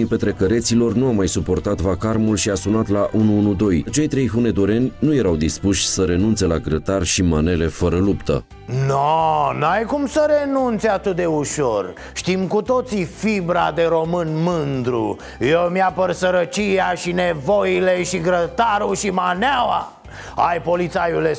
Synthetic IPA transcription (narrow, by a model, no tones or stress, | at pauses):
ipe̞t̪ɾe̞kəɾe̞t̪silo̞rnuamajsupo̞rt̪at̪vakarmulʃiasunat̪laʔunuunud̪o̞jt͡ʃe̞jt̪ɾe̞jɦune̞d̪oɾe̞nʲnuje̞ɾawd̪ispuʃʲsəɾe̞nunt̪se̞laɡɾət̪arʃimane̞le̞fəɾəlupt̪ə̰ | nonajkumsəɾe̞nunt̪seat̪ɨt̪̚d̪e̞uʃo̞r | ʃt̪imkut̪o̞t̪sifibɾad̪e̞ɾo̞mɨnmɨnd̪ɾṵ | jewmijapərsəɾət͡ʃijaʃinevo̞jileʃiɡɾət̪aɾuʃimanawa̰ | ajpo̞lit̪sajule